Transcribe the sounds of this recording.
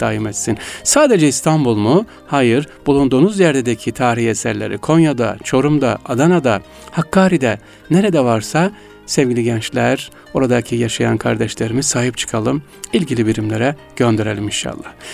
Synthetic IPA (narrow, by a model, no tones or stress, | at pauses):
d̪̥aːjimet̪sinsaːd̪ed͡ʒɛist̪ʰanbulˠmu | hajɯɾbulˠund̪uːnuzjɛɾd̪ed̪ecʰit̪ʰaːɾihesæɾlʲeɾḭkʰo̞njad̪a̰t͡ʃʰo̞ɾumd̪a̰ʔad̪anad̪a | hakːaːɾid̪ɛ | neɾed̪ɛvaɾsa | sɛvɟilʲiɟɛnt͡ʃlʲæɾ | o̞ɾad̪acʰijaʃajankʰaɾd̪ɛʃlʲeɾimisaːɦipt͡ʃʰɯ̥kʰalˠɯm | ilʲɟilʲibiɾimlʲeɾɛ | ɟ̥ø̞nd̪e̞ɾe̞lʲiminʃa̰lˠːa̰h